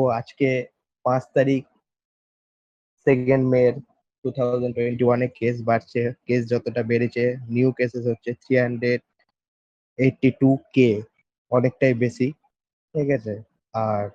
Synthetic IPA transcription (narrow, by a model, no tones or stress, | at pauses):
oad͡ʑke | pãt͡ɕt̪aɾik̚ | sekeɳɖmeɾ | ʈut̪ʰawd͡ʑanʈweɳʈiwanekes̬baɾt͡ɕʰekes̬d͡ʑɔt̪oʈabeɾet͡ɕʰeniukesesɦotːɕʰet̪ʰɾiɦaɳɖɾeɖ̚ | eʈːiʈuke | ɔnek̚ʈajbeʃi | ʈʰiket͡ɕʰe | aɾ